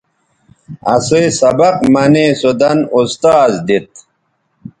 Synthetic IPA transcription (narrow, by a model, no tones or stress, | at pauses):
ɐsujsɐbɐqmɐneːsud̪ɐnust̪aːzd̪it̪̚